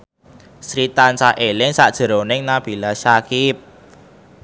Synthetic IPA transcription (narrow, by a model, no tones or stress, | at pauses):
sɾit̪ansahʔelɪŋsaʔd̥ʒ̥ə̤ɾonɪŋnab̥i̤lasakip̚